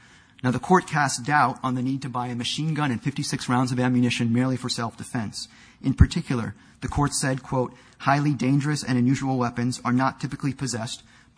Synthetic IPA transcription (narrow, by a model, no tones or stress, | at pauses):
naʊðəkʰɔɹt̚kʰæstd̥aʊɾn̩ðɨnid̚tʰɨbaɪɨmɨʃĩnɡʌ̃ɾ̃ɨ̃nfɪftisɪksɹãʊ̃ndzʌvæ̃mjɨnɪʃɨ̃nmɪɹlˠifə˞sɛlˠfd̥ɨfɛ̃ns | ʔɨ̃npʰə˞tʰɪkʰjl̩ˠə̰˞ | ðɨkʰɔɹtsɛd̚kʰw̥oʊt̚ | haɪlˠidẽɪ̃nd͡ʒə˞ɨsɨ̰̃ɾɨ̃njʉʒəwl̩ˠwɛpɨ̃nzə˞nətʰɪpɨklipʰɨzɛst̚